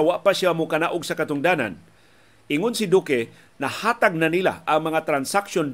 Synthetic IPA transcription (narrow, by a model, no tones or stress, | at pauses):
awaʔpaʃamʊkɐnaʔʊɡsakɐt̪ʊŋd̪aːna̰n | ɪŋʊnsɪd̪ukɛ | nɐhaːt̪aɡ̚nanila̰ʔɐŋmɐŋat̪ɾansakʃon